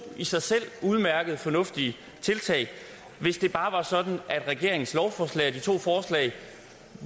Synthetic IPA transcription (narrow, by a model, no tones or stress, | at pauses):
isɑ̈ɪsel̰uð̞ˠmæɐɡ̥əð̞̩ˠfɒ̽nɔ̽fd̥iə | t͡sʰe̝lt͡sʰɛ̰ɪ | ʋe̝sd̥e̝b̥ɑ̈ːʋɑ̈sɒ̽d̥n̩ʔæd̥ʁɛɡ̥e̝ɐeŋn̩slɒʊfɒːslɛ̰ɪɒd̥it͡sʰo̝̰ːfɒːslɛ̰ɪ